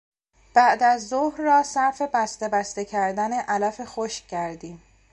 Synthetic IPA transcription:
b̥æʔd̪æzːohɾːɒːsæɾfe̞bæst̪e̞bæst̪e̞cʰæɾd̪æne̞ʔælæfe̞xoʃcæɾd̪iːm

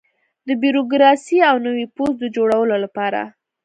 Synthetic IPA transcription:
d̪əbiɾoɡɾɑsiawnəwipozd̪əd͡ʒoɽawəlolapɑɾa̰

